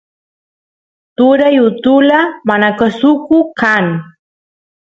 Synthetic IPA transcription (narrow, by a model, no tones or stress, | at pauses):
t̪ʊɾajʊt̪ʊlamanakasʊkʊkaŋ